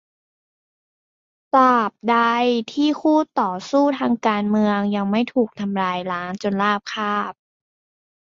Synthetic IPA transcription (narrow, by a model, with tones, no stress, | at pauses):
t̪aː˨˩p̚da˧jt̪ʰiː˥˩kʰuː˥˩t̪ɔː˨˩suː˥˩t̪ʰaː˧ŋkaː˧nmɯ˧əŋja˧ŋma˥˩jt̪ʰuː˨˩k̚t̪ʰa˧mɾaː˧jlaː˦˥ŋt͡ɕo˧nlaː˥˩p̚kʰaː˥˩p̚